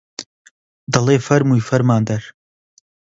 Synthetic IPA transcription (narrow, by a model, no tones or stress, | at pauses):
d̪ɐlˠeːfɐɾmuːjfɐɾmaːnd̪ɐɾ